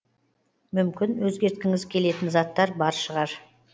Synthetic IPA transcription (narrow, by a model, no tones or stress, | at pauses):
mʏmkʲɪnwɵzɡʲe̞ɾt̪̚kʲɪŋɪzkʲʰe̞le̞t̪ɪnzɑt̪ːɑɾbɑɾʃəʁɑɾ